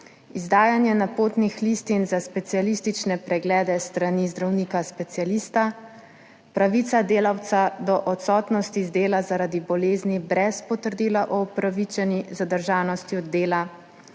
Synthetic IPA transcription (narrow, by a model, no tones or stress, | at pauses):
izd̪aːjanjɛnapoːt̪nixliːst̪inzaspɛt̪sijalist̪it͡ʃnɛpɾɛɡlɛːd̪ɛst̪ɾanizd̪ɾawniːkaspɛt̪sialist̪a | pɾaʋiːt̪sad̪eːlawt̪sad̪ɔʔɔt̪sɔːt̪nɔst̪izd̪eːlazaɾad̪ibɔleːznibɾɛspɔt̪əɾd̪iːlaʔɔːpɾaʋit͡ʃɛnizad̪əɾʒaːnɔst̪iɔd̪eːla